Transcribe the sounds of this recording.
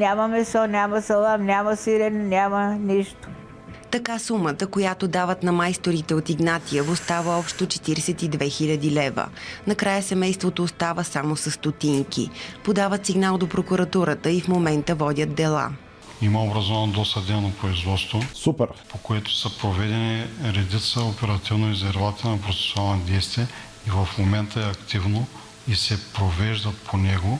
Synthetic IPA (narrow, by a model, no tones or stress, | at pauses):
nʲamɐmɛsɔnʲamɐsɛlˠamnʲamɐsilʲɛnɛnʲaməniʃt̪o̥ | t̪ɐkasumət̪əkojat̪od̪avət̪nɐmajst̪oɾit̪ɛot̪iɡnat̪ijəvost̪avəɔpʃt̪ot͡ʃɛ̥t̪iɾɛsɛt̪id̪vɛxilʲəd̪ilɛvə̰nɐkɾajəsɛmɛjst̪vot̪oːst̪avəsamosəsːt̪ot̪iŋkḭpod̪avət̪siɡnalˠd̪opɾokuɾɐt̪uɾət̪əifmomɛnt̪əvɔd̪ʲət̪d̪ɛlˠa̰ | iməobɾɐzɔvɐnod̪ɔst̪ɐd̪ɛnopɾoizvɔt̪st̪vosupɛɾpokoɛt̪o̥sɐpɾovɛd̪ɛniɾɛd̪it̪səopɛɾɐt̪ivnoizɛɾvat̪ənɐpɾot̪sɛ̥sualˠnɐd̪ɛjst̪viə | ivɐfmomɛnt̪əɛɐkt̪ivno | isɛpɾovɛʒd̪ɐt̪pʰonɛɡo